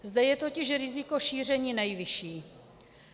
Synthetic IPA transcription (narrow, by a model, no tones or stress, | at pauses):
zd̪ɛjɛt̪o̞cɪʃɾɪzɪko̞ʃiːr̝ɛɲiːnɛjvɪʃiː